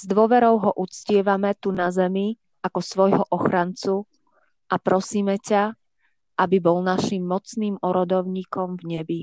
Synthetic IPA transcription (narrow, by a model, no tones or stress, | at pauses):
z̥d̪ʊɔʋɛɾɔʊɦɔʔut͡scɪɛʋamɛt̪unazɛmi | akɔsʋɔjɦɔʔɔxɾant͡su | ʔapɾɔsiːmɛca | ʔabibɔlnaʃimːɔt͡sniːmɔɾɔd̪ɔʊɲiːkɔmvɲɛbi